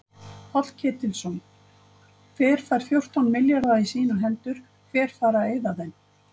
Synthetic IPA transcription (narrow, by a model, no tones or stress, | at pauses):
fat̪l̥cʰɛːt̪ɪlsɔn | fɛːɾ̥faːɾ̥θjowr̥t̪awnmɪljaɾðaisiːnʏɾɦɛnt̪ʏɾ̥ | fɛːɾ̥faːɾaeːjðaðen